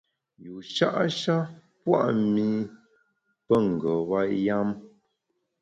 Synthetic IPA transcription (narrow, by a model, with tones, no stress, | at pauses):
ju˨ʃa˦ʔʃa˦ | pwa̰˦ʔmi˦ | pə˦ŋ˨ɡɔ˨wa˦ʔja˦m